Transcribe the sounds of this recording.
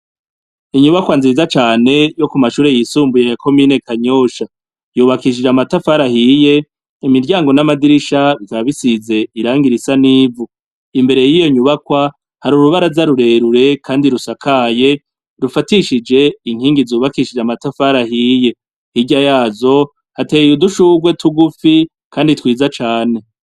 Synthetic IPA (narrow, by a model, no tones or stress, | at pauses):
iɲuβakwanzizat͡ʃaːne̞jo̞kumaʃuːɾe̞jisuːmbujejako̞miːne̞kaɲoːʃa | juːβakiʃ̬id͡ʒamatafaɾahije̞ | imiɾɟaːŋɡo̞namadiɾiʃaβikaβaβisize̞iɾaːŋɡiɾisaniːvu | imbe̞ɾe̞jijo̞ɲuβakwa | haɾuɾuβaɾazaɾuɾe̞ɾuɾe̞kʰaːndiɾusakʰaje̞ | ɾufatiʃid͡ʒe̞iŋ̥hiːŋɡizuːβakiʃid͡ʒamatafaɾahije̞ | hiɟajaːzo̞ | hateːjuduʃuːɡwe̞tuɡufi | kʰaːnditwiːzat͡ʃaːne̞